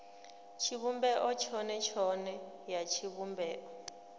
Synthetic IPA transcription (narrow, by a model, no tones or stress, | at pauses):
t͡ʃʰiβumbɛʔɔt͡ʃʰɔnɛt͡ʃʰɔnɛ | jat͡ʃʰiβumbɛːʔɔ